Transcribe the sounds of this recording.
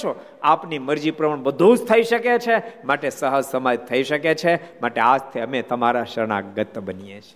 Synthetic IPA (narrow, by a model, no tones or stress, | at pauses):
t͡ʃʰo | apniməɾd͡ʒipɾəməɳbəd̪ʱũd͡ʒt̪ʰəiʃəket͡ʃʰemaʈesəɦəd͡ʒsəməjt̪ʰːəiʃəket͡ʃʰemaʈead͡ʒt̪ʰiəmet̪əmaɾaʃəɾɳa̰ɡət̪ːbənijeʃe̥